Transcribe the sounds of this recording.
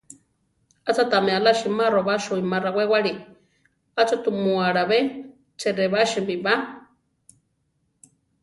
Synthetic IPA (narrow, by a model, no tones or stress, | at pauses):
at͡sat̪amealaʃimaroβaʃuimaɾawewaɺi | at͡sot̪umuaɽaβe | t͡seɾeβaʃimbiβa